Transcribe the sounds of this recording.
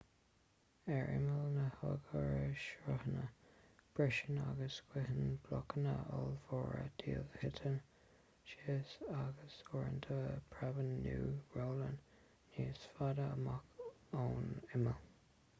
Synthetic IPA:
ɛɹɪ̰məlnəhəɡəɹəʃɹəhənəb̥ɹɪʃənaɡəsɡ̥wɪɦənb̥lɔkənəəlvɔːɹə̰d̥ʰiːəlhɪtʰən | ʃiəsaɡəsɔːɹənt̪ʰəpʰɹɛvənːuːɹoːlənː | iːsfadəəmak | oːnɪməl

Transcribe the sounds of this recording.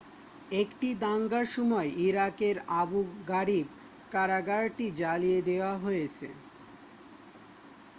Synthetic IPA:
ekʈid̪aŋɡaɾʃɔmɔeʔiɾakeɾabuɡaɾib̚ | kaɾaɡaɾʈid͡ʑalijed̪eoaɦojet͡ɕʰḛ

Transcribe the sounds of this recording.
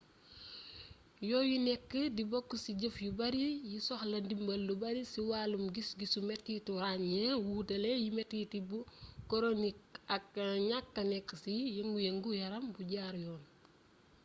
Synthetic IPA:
jɔːjunɛkːədibɔkːusiɟəfjubɐɾijisɔxlɐndimbɐlːubɐɾisiwaːlumɡisɡisumɛtːituɾaːnjɛwuːtɐlɛjimɛtːitibukoɾonik̚ɐk̚ɲakːɐnɛkːəsijɐŋɡujeŋɡujɐɾɐmbuɟaːɾjɔːn

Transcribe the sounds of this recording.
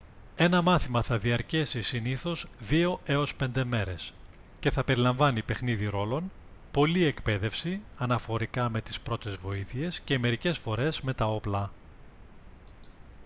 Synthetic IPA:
e̞nɐmɐθimɐθɐðiɐɾce̞sisiniθo̞zðio̞e̞o̞spe̞nd̪e̞me̞ɾe̞s | ce̞θɐpe̞ɾilɐɱvɐnipe̞xniðiɾo̞lo̞npo̞lie̞kpe̞ðe̞fsiɐnɐfo̞ɾikɐme̞t̪i̥spɾo̞t̪e̞zvo̞iθie̞sce̞me̞ɾice̞sfo̞ɾe̞zme̞t̪ɐo̞plɐ

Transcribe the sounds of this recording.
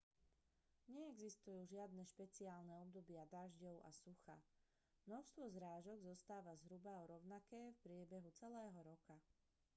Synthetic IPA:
ɲɛɛɡzist̪ujuːʒɪad̪nɛʃpɛt͡siaːlnɛɔb̚d̪ɔbɪad̪aʒɟɔʊʔa̰suxa̰ | mnɔʃst̪ʋɔzɾaːʒɔɡzɔst̪aːʋazɦɾubaɔɾɔʊnakɛːfpɾɪɛbɛɦut͡sɛlɛːɦɔɾɔka

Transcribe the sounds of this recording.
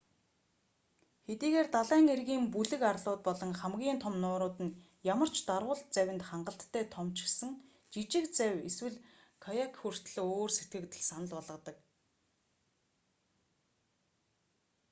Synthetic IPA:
xet̪iːɣeːrt̪aɮæːŋerɣiːmpuɮɘ̆karɮʊːt̪̚pɔɮɞ̆ŋχæmɡʲiːnt̪ʰɔmnʊːɾʊːt̪ɘ̆n | jamə̆r̥t͡ɕʰt̪arʁʊːɮt̪̚t͡sæwʲɪ̆nt̪χaɴɢə̆ɬt̪ʰːæːt̪ʰɔmt͡ɕɪ̆xsə̆ŋ | t͡ɕit͡ɕɪ̆kt͡sæweswɘ̆ɮ | kʰajakʰxur̥t̪ɮɘ̆oːrset̪ɡɘ̆kt̪ɘ̆ɮsanə̆ɮpɔɮʁə̆t̪ə̆k

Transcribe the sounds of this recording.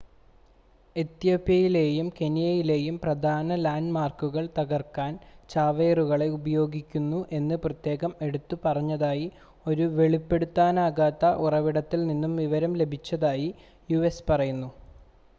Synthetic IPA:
e̞t̪jo̞ːpːjɐjile̞ːjumke̞nijɐjile̞ːjumprɐd̪ʱaːnɐlaːnɖmaːrkuɣɐɭt̪ɐɣɐrkaːnt͡ɕaːʋeːruɣɐɭe̞ubɐjo̞ːɡikʲːunːuʔe̞nːɨprɐt̪je̞ːɣɐme̞ɽut̪ːupɐrɐɲːɐðaːji | o̞ɾuʋe̞ɭipːe̞ɽut̪ːaːnaːɣaːt̪ːɐʔurɐʋiɽɐt̪ːilninːumʋiʋɐɾɐmle̞bʱit͡ɕːɐðaːji | juespɐrɐjunːu

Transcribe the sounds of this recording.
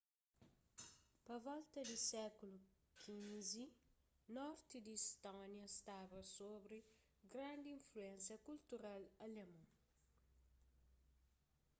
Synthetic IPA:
pɐvɔlt̪ɐd̪isɛkulu | kʰĩnzi | nɔɾt̪id̪iist̪ɔ̃njɐst̪aβɐsobɾi | ɡɾãnd̪iĩɱfluẽnsjɐkult̪uɾalɐlemɐ̃

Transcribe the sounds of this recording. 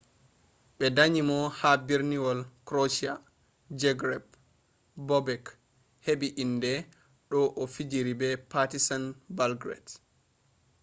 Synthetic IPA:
ɓɛdaɲimɔhabiɾniwɔlkɾot͡ʃia | d͡ʒɛɡɾɛb | bɔbɛk | heɓiʔindɛ | ɗɔʔɔfid͡ʒiɾibɛpatisanbalɡɾɛ̰d

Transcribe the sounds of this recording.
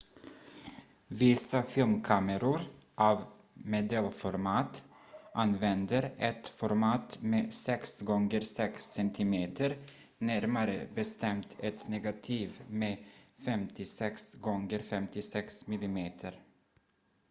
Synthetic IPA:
vɪsafɪlmkʰaməɾʊɾʔav | mɛd̪ɛlfɔɾmɑːt̪ | ʔanvɛnd̪əɾɛt̪fɔɾmɑːt̪meːsɛksɡɔŋɡəɾsɛksɛnt̪ʰɪmeːt̪ʰəɾ | næɾmaɾə̰bɛst̪ɛmt̪ʰɛt̪nɛːɡat̪ʰiːvmeːfɛmt̪ʰɪsɛksɡɔŋɡəɾfɛmt̪ɪsɛksmɪlɪmeːt̪ʰəɾ

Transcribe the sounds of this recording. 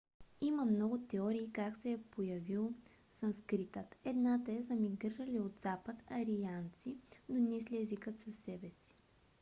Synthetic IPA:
iməmnɔɡʊt̪ɛɔɾiːkaksɛɛpojɐvilˠ | sɐmskɾit̪ət̪ɛd̪nat̪əɛzəmiɡɾiɾəliod̪zapət̪ɐɾiant̪sid̪onɛsliɛzikət̪sɐsːɛbɛsi̥

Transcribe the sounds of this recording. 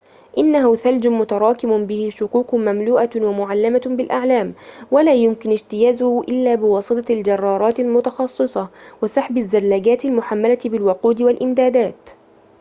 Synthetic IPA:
ʔɪnːahʊθald͡ʒʊmʊt̪ɑɾˤɑːkɪmʊbɪhɪʃʊquːqmamluːʔawamʊʕalːamabɪlʔaʕlaːmwalaːjʊmkɪnɪd͡ʒt̪ɪjaːzʊhʊʔɪlːaːbɪwɑːsˤɨt̪ˤɑld͡ʒɑrˤːɑːɾˤɑːt̪ɪlmʊt̪ɑxɑsˤːɨsˤɑwɪsɑħbazːalːaɡaːt̪ɪlmʊħamːalat̪bɪlwʊquːd̪ɪwalʔɪmd̪aːd̪aːt̪

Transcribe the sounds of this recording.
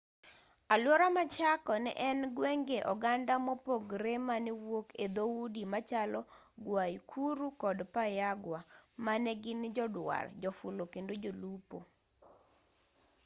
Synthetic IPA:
alwɔɾamat͡ʃakɔnɛ̰ʔɛnɡweŋɡeʔɔɡandamɔpoɡɾemanewoked̪oudimat͡ʃalɔ | ɡwajkʰuɾukɔdpajaɡwamanɛɡɪnd͡ʒɔdwa̰rd͡ʒɔfulokendod͡ʒolupo

